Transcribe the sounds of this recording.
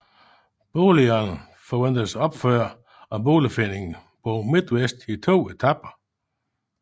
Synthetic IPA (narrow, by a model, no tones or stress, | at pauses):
b̥oːliɐnə | fɒʋen̰d̥əsɒ̽b̥føɐ̰ | ɒ̽b̥o̝ːləfen̰e̝ŋn̩b̥omid̥wesd̥it͡sʰo̝̰ːe̝t͡sʰɑ̈b̥ɐ